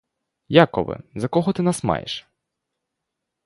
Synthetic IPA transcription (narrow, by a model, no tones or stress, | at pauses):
jakɔʋɪ̰zɐkɔɦɔt̪ɪnasmɑ̰jḛʃ